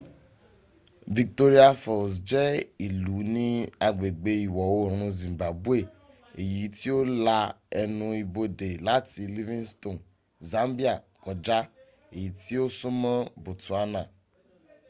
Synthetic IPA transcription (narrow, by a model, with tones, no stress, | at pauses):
vi˨k̚t̪o˦ɾi˦a˦fɔ˨sd͡ʒɛ˦i˨lu˨˦nĩ˦a˨ɡ͡be˨ɡ͡be˦i˨wɔ˨wo˦ɾ̃ũ˧zĩ˨mba˨bu˦e˦˨ | e˨ji˨t̪i˦wo˦la˦ | ɛ˨nũ˨i˨bo˦ɖe˨la˦t̪i˨li˦vĩ˦nst̪o˨n | za˦mbi˦a˨ | kɔ˨d͡ʒa˦ | e˨ji˨t̪i˦wo˦su˦mɛ̃˦bo˨t̪u˨a˦nã˨